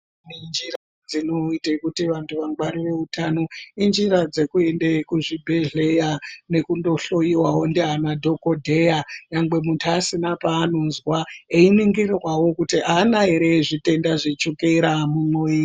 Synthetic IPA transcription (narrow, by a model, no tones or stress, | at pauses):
nind͡ʒiɾa | d͡zino̞itekutiʋantʰuʋaŋɡwarire̞utʰano̞ind͡ʒiɾad͡ze̞kue̞ndekuʐibʱe̞ɮe̞jane̞kundo̞ɬo̞jiwawo̞ndeɦanadʱo̞ko̞dʱejaɲaŋɡ͡be̞muntʰuasinapaːno̞nzwaeiniŋɡirirwawo̞kutiʔaːnaɦeɾe̞ʐite̞ndaʐit͡ʃukeɾamumoi